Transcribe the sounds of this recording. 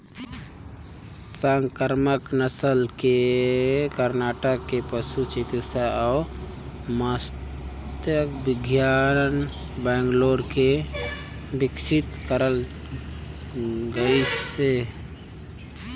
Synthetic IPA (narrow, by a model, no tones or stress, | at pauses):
səŋkəɾməknəsəlke | kəɾnaʈəkːepəsut͡ʃit̪isaa | mas | t̪jəkbiɡjan | bɛŋɡloɾke | biksʰit̪kəɾəl | ɡəise